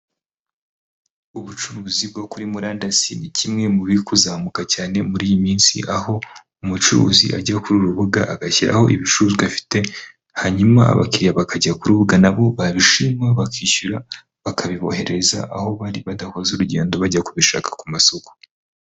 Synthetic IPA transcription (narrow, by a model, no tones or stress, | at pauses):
uβut͡ʃuɾuːzib̚ɡokuɾimuɾaːndasinicʰimŋe̞muβikuzaːmukacaːne̞muɾiːjimiːnsḭʔaho̞ | umut͡ʃuṵzḭʔaɟakuɾuɾuβuɡa̰ʔaɡaciɾa̰ho̞̰ʔiβit͡ʃuzafi̥te̞ | haɲuma̰ːβa̰kiɾijaβakaɟakuɾuβuɡanaβo̞βaβiʃimwaβakʰiːʃuɾa | βakʰaβiβo̞̰he̞ɾe̞za̰ʔaho̞βaɾiβadaho̞zuɾuɟe̞ːndo̞βaɟakuβiʃa̰ːkḁkumasoko̥